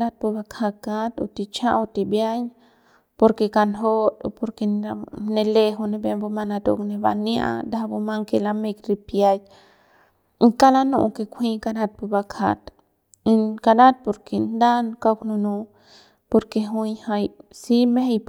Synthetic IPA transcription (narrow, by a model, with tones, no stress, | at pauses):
la˦t̪̚pu˧ba˧kʰa˧ka˦t̪o̰˧t̪i˧t͡ʃã˦ʔo˧t̪i˧bja˦ɲ | po˧ɾke˧ka˧nɦo˦t̪o˧po˧ɾke˧na˧ne˧le˧ɦu˧ne˧be˧mbo˧ma˧na˧t̪o˧kne˧ba̰˧nia̰˧d̪a˦bu˧ma˦ŋke˧la˧me˧kɾi˧pja˧j | ŋka˦la˦nṵ˧ʔŋke˧kʷʰi˦ka˧na˧t̪̚pu˧ba˧kʰa̰˧t̪ | i˧nka˧la˦t̪̚po˧ɾkʰe˧nd̪a˦nka˧knu˧nu˧ | po˧ɾke˧ɦu˧˦ɲha˧jsi˦me˦he˧jp